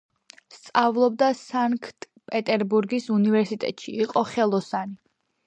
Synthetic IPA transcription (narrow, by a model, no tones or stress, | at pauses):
st̪sʼavlˠɔbd̪asaŋkʰt̪ʼ | pʼɛt̪ʼɛɾbuɾɡisunivɛɾsit̪ʼɛ̰t̪ʼʃḭːqʼɔχɛlˠɔsani